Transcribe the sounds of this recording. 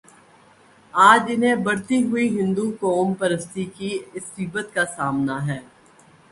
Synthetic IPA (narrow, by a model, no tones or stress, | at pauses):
aːd͡ʒɪnɦẽbɐɽt̪iɦʊiɦɪ̃nd̪ukɔːmpɐɾəst̪ikiɪsːɪbət̪kasaːmnaɦɛː